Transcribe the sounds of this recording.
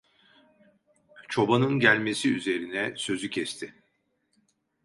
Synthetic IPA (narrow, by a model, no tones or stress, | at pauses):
t͡ʃʰo̞banɯnɟælʲme̞siyze̞ɾinɛsø̞zycʰɛst̪ʰɪ